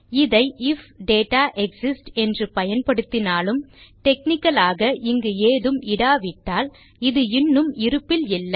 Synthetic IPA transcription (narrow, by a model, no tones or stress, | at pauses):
ɪðɐɪɪfɖeːʈaːʔɛksɪsʈɛndrɯpɐjɐnpɐɽɯt̪ːɪnaːlɯmʈ̪ɛk̚nɪkːɐlaːɣɐʔɪŋɡɯeːðɯmɪɽaːʋɪʈːaːl | ɪðɯɪnːɯmɪɾɯpːɪlɪlːɐ